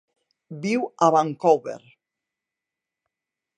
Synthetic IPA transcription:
biwaβaŋkowβḛɾ

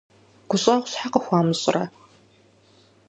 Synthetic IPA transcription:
ɡ̥ʷʊɕʼaʁʷsħaqəxʷɑːmɨɕʼɪ̰rɐ̰

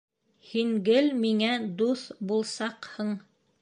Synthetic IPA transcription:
hiŋɡɘlmiŋæd̪uθbulˠsɑqhɤɴ

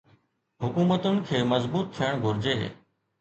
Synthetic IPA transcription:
ɦʊkuːmət̪ʊnɪ̆kʰeːmɐzbuːt̪̚t̪ʰijəɽ̃ɡʱʊɾd͡ʑeː

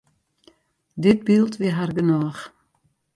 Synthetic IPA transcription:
dɪt̚bilˠtʋiɦarɡənɔːχ

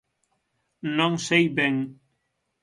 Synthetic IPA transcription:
nɔŋsejbeŋ

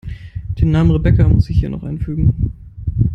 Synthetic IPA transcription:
d̥eːnaːmənʁebɛkamʊsz̥ɪçhiːɐnɔ̰χʔaɪnfyːɡŋ̩

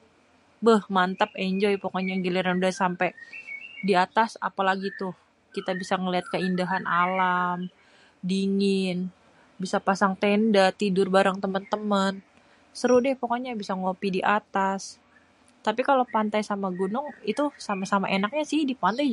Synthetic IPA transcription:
bəhmant̪əp̚eɲd͡ʒɔjpəkoɲaɡiliɾanudasampɛ | diat̪asa̰palaɡit̪ʊh | kit̪abisaŋəliɦat̪̚kəindaɦanʔalam | diŋɪn | bisapasaŋt̪endat̪idʊrbaɾaŋt̪əmənt̪əmən | səɾʊdɪhpəkoɲabisaŋopidiʔat̪as | t̪apikalopant̪ajsamaɡunʊŋit̪usamasama̰ʔenak̚ɲasɪhdipant̪aj

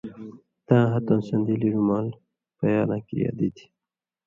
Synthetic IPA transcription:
t̪ãːɦat̪õnsɐnd̪iliɾumaːl | pajaːlãːkḭjɑ̰ːd̪id̪i̥

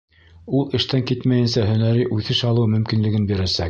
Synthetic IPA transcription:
ulˠɘ̆ʃt̪æŋkit̪mæjɘ̆nsæɦɵ̆næɾiʔʉθɘʃɑlˠɤmɵ̆mkinlɘ̆ɡɘnbiɾæsæk

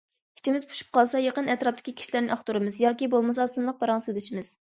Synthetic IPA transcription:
i̥t͡ʃʰimɪzpʰu̥ʃu̥p̚qʰɑlˠsɑjeqənɛt̪ɾɑp̚t̪ʰɪ̥kʲikʲʰi̥ʃilæɾnɪʔɑχt̪uɾɨmɨzjɑːkʲibolˠmɨsɑsɨnlˠəq̚bɑɾɑŋselɪʃimɪz̥

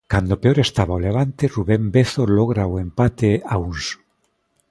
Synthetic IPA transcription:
kand̪opeoɾest̪aβaoleβ̞ant̪eruβembeθoloɣ̞ɾaoempat̪eauns

